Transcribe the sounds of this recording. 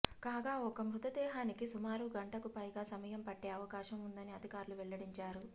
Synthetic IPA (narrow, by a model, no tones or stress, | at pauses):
kaːɡaːɔkɐmɾut̪ɐd̪ɛːɦaːnikisumaːɾuɡɐɳʈɐkupɐjɡaːsɐmɐjɐmpɐʈːeːɐʋɐkaːʃɐmund̪ɐniɐd̪ʱikaːɾuluʋɛɭːɐɽiɲt͡ʃaːɾu